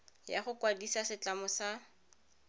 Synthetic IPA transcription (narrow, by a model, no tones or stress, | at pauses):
jaχʊkwadisasɪt͡ɬamʊsa